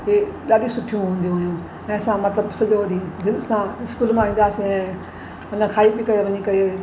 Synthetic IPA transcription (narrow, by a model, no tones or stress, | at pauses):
ɦeɗaːɗĩsʊʈʰijũɦũːn̆d̪ijũɦjũ | ɛ̃ːɐsãmɐt̪ləbsɐʄoɗid̪ɪlsãɪskuːlmãʋĩːnd̪aːsĩɛ̃ː | mɐnəkʰaːibikɐeʋɐɲikɐe